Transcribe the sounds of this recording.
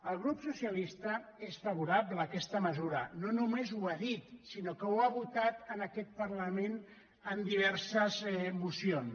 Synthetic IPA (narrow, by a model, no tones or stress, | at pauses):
əlˠɣɾupsusiəlist̪ə | esfəβ̞uɾaplələkɛst̪əməzuɾənonumezuaðit̪sinokəwaβut̪at̪ənəkɛt̪̚pərləmen | ənd̪iβ̞ɛɾsəzmusion